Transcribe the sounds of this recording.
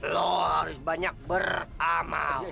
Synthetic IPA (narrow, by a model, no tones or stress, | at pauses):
lɔhaɾʊsbaɲak̚bərama̰l